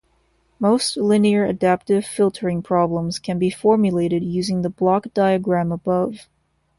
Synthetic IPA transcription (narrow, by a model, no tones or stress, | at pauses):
moʊstlɪniə˞ʔɨ̰dæp̚tɨv̥fɪlˠtʰə˞ɪ̃ŋpʰɹ̥ɑblə̃mz̥kʰɨ̃nbifɔɹmjɨleɪɾɨd̚jʉzɪ̃ŋðəblɑkd̥aɪɨɡɹæ̃məbʌv̥